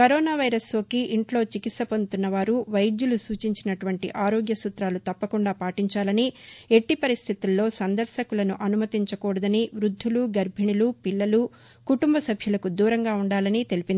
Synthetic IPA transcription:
kɐɾɔːnaːʋɐjɾɐslo̞ːkiʔiɳʈlo̞ːt͡ʃikit̪sɐpond̪ut̪unːɐʋaːɾuʋɐjjulusuːt͡ʃiɲt͡ʃinɐʈuʋɐɳʈiʔaːɾoːɡjɐsut̪ɾaːlut̪ɐpːɐkuɳɖaːpaːʈiɲt͡ʃaːlɐnie̞ʈːipɐɾist̪ʰit̪ulːo̞ːsɐnd̪ɐɾʃɐkulɐnuʔɐnumɐt̪iɲt͡ʃɐkuːɽɐd̪ɐniʋɾud̪ʱːuluɡɐɾbʱiɳulupilːɐlu | kuʈumbɐsɐbʱjulɐkud̪uːɾɐŋɡaːuɳɖaːlɐnit̪e̞lipind̪i

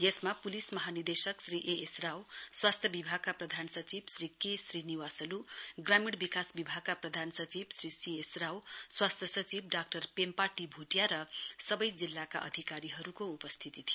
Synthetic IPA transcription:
jesmapulismʌɦanird̪esʌksriʔeʔesrawswast̪ʰjʌbibʱaɡ̚kaprʌd̪ʱansʌt͡sibsrikesriniwasʌluɡramiɽbikasbibʱaɡ̚kaprʌd̪ʱansʌt͡sibsrisiesrawswast̪ʰjʌsʌt͡sib̚ɖak̚ʈʌrpempaʈibʱuʈjaɾʌsʌbʌjd͡zilːakaʔʌ̰d̪ʱikaɾiɦʌɾukoupʌst̪ʰit̪it̪ʰijoo

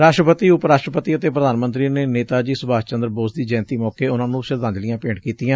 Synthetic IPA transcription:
ɾaːʃʈɾəpət̪iːʊpɾaːʃʈɾəpət̪iːət̪eːpɾəd̪aːnmənt̪ɾiːneːneːt̪aːd͡ʒiːsʊbaːst͡ʃənd̪ɾboːsd̪iːd͡ʒɛːnt̪iːmɔːkeːʊnãːnũːʃɪɾd̪ãːnd͡ʒ̪lɪjãːpeːɳkiːt̪ijãː

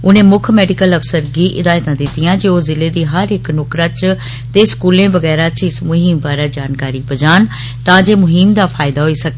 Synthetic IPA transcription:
ʊnẽːmʊkʰmɛːɖɪkələpʰsəɾɡiːʔɪd̪aːjt̪ãːd̪ɪt̪ːɪjãːd͡ʒeoːzɪleːd̪iːɦəɾɪknoːkɾãːt͡ʃ | t̪eːskuːlẽːʋəɡɛːɾaːt͡ʃɪsmʊɦɪmbaːɾaːd͡ʒaːnkaːɾiːbəd͡ʒaːn | t̪ãːd͡ʒeːmʊɦimd̪aːpʰaːɪd̪aːɦoːiːsək̚e

